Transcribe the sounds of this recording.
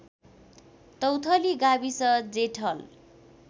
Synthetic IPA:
t̪ʌwt̪ʰʌliɡabisʌd͡zeʈʰʌl

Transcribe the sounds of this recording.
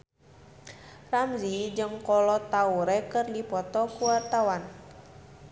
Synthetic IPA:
ramzid͡ʒɨŋkɔlɔt̪auɾɛkɨrdipɔt̪ɔkuwart̪awan

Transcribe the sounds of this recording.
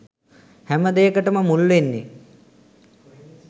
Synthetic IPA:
hæməd̪ejəkəʈəməmulːʋenːe

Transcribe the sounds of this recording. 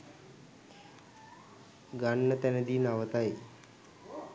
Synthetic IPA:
ɡaɳːət̪ɛnəd̪iːnaʋət̪ae

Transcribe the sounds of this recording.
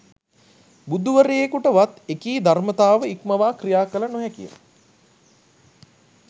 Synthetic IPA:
bud̪uʋəɾejekuʈəʋat̪ekiːd̪ʱarmət̪aːʋəikməʋaːkrijaːkələnoɦɛkijə̰

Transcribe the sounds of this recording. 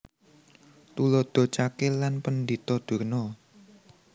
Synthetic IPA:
t̪ulɔd̪̥o̤t͡ʃakelanpənd̪it̪ɔd̪̥ṳrnɔ

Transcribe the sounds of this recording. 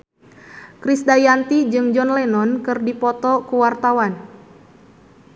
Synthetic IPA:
kɾisdajant̪id͡ʒɨŋd͡ʒɔnlɛnɔnkɨrdipɔt̪ɔkuwart̪awan

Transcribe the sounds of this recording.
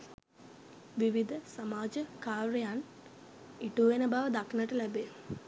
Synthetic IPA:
ʋiʋid̪ʱəsɐmaːd͡ʒəkaːɾəjan | iʈuːʋenəbaːʋəd̪akʰnəʈəlæbe

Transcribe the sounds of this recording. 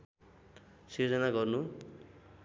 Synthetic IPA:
sird͡zʌnaɡʌrnu

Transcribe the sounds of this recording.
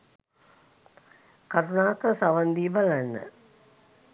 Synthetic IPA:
kaɾunaːkəɾəsaʋand̪iːbalanːə̰

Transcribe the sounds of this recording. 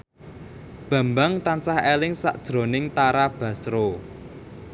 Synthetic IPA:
b̥ä̤mbaŋt̪ansahelɪŋsa̰ʔd̥ʒ̥ɾo̤nɪŋt̪aɾab̥ä̤sɾo

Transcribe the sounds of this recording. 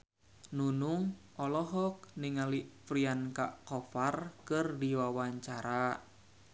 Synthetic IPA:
nunuŋʔɔlɔɦɔk̚niŋalipɾianka̰ʔkɔfarkɨrdiwawaɲt͡ʃaɾa

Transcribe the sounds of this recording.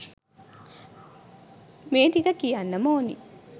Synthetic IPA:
meːt̪ikɐkijanːɐmoonḭ

